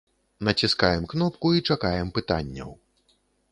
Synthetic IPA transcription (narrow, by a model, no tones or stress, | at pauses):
nɐt͡sʲiskajɛmknɔp̚kuit͡ʂakajɛmpɨt̪a̰nʲːɐ̰w